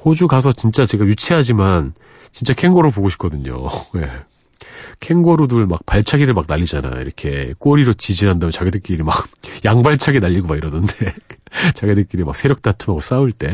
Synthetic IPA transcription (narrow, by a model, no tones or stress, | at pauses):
hod͡ʑuɡasʰʌt͡ɕint͡ɕ͈at͡ɕe̞ɡajut͡ɕʰiɦad͡ʑiman | t͡ɕint͡ɕ͈akʰe̞ŋɡoɾopoɡoɕʰi̥pk͈ʌdɯɲo̰je̞̰ | kʰe̞ŋɡoɾoduɭmak̚paɭt͡ɕʰaɡiɾɯɭmak̚naʎːid͡ʑana̰jo̰ḭɾʌkʰe̞k͈oɾiɾot͡ɕid͡ʑinɦandamjnt͡ɕaɡedɯk͈iɾimak̚jaŋbaɭt͡ɕʰaɡenaʎːiɡomaɡiɾʌdɯnde̞t͡ɕaɡedɯk͈̚iɾimak̚sʰe̞ɾjʌk̚t͈atʰɯmɦaɡos͈auɭt͈e̞